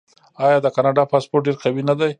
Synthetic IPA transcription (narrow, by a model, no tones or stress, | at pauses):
ɑjɑd̪əkɑnɑɖɑpɑspoɾʈ̚ɖeɾqawinad̪aj